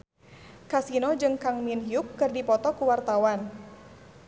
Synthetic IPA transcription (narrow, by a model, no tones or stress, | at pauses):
kasinod͡ʒɨŋkaŋminɦiukːɨrdipɔt̪ɔkuwart̪awan